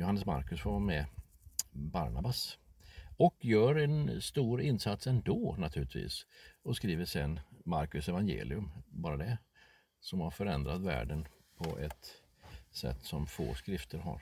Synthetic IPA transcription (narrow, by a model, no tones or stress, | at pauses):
jʊhanːəsma̰ɾkɵsvamɛ | ba̰ɾɳabas | ɔkjœːɾɛnst̪uːɾɪnːsat̪sɛnd̪ɔːnat̪ʰʉːlɪt̪vḭːsɔskɾiːvəʂɛnmaɾkɵsɛvanjḛːlɪɵmbɑːɾad̪ɛ | sɔmaɾfœɾɛnd̪ɾat̪væ̰ːɖən | pʰɔʔɛt̪ | sɛ̰t̪ːsɔmfo̰ːskɾɪft̪ʰəɾɦa̰ɾ